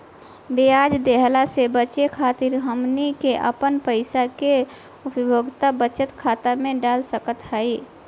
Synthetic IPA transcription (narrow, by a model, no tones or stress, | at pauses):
beaːd͡ʒd̪eɦlasebət͡ʃekʰaːt̪ɪɾɦəmnikeʔə̰pənpəɪsake | ʊpəbʱoɡt̪abət͡ʃət̪kʰaːt̪amẽɖaːlsəkət̪ɦai